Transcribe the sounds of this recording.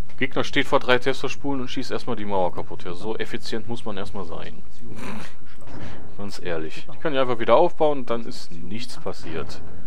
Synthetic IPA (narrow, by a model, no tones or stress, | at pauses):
ɡ̥eːɡnɐʃteːtfoːɐdʁaɪtʰɛstɐʃpuːlənʊntʃiːstʔeːɐstmaːldiːmaʊɐkʰapʰʊtheːɐzoːʔefit͡sjɛntmʊsmanʔeːɐstmaːlza̰ɪn | ɡ̥ant͡sʔeːɐlɪçd̥iːkʰanɪçaɪnfaχv̥iːdɐʔaʊfb̥aʊənʊnd̥anɪ̰st | nɪçt͡spʰasiːɐt